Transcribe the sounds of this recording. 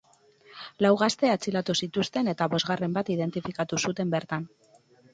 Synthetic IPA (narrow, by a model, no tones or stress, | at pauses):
lawɣast̪e̞at͡silat̪usit̪ust̪e̞ne̞t̪aβo̞zɣare̞mbat̪ið̞e̞nt̪ifikat̪usut̪e̞mbe̞ɾt̪an